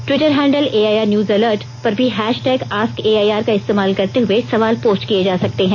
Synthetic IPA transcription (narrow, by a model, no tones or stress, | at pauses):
ʈʋɪʈəɾɦɛ̃ːɳɖəleːaːjaːɾnjuːzɐləːɾʈ | pɐɾbʱiɦɛːʃʈɛːɡaːskeːaːjaːɾkaɪst̪eːmaːlkɐɾt̪eɦʊesɐʋaːlpoːst͡ʃkijed͡ʒaːsɐk̚t̪eɦɛ̃ː